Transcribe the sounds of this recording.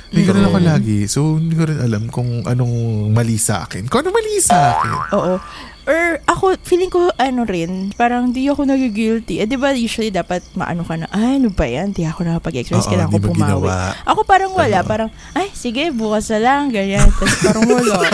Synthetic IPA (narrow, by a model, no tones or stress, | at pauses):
mɐjɡɐnonɐkolaːɡɪsohɪnd̪ikoɾɪnʔɐlamkʊŋʔɐ̰noŋmɐlisɐʔa̰ːkɪnkʊŋʔɐnomɐlisɐʔaːkɪ̰nʔoːʔo | ʔoɹʔɐko̞fiːlɪŋkoʔɐno̞ɾɪnpaːɾɐŋhnd̪ijɐko̞nɐɡiɡɪlt̪iʔɛd̪ɪbajuːswɐlid̪aːpɐt̪̚mɐ̰ʔɐ̰nokɐnɐʔajɐnobɐjand̪iɐko̞nɐkɐpɐɡɛ̰kspɛ̰skɐlaŋkobɐʊmɡɪaɐ̰wɐ̰a̰ʔɐko̞paːɾɐŋwɐlaʔpaːɾɐŋ | ʔajsɪɡɛbuːkɐsnɐlɐŋɡɐɲant̪ɐspɐɾoŋolo